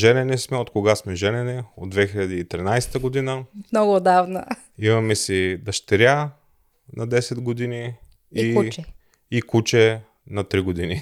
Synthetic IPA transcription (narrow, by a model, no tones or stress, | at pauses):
ʒɛnɛnɛsmɛot̪koɡasmɛʒɛnɛnɛod̪d̪vɛxiʎʲɐd̪iit̪ɾinajst̪əɡod̪inəmnɔɡoːd̪avnə | imɐmɛsid̪ɐʃt̪ɛɾja | nɐd̪ɛsɛd̪ɡod̪ini | it͡ʃɛː | kut͡ʃɛ | nɐt̪ɾiɡod̪ini